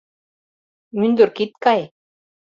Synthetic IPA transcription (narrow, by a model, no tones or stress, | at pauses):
mynd̪yɾkit̪̚kɑj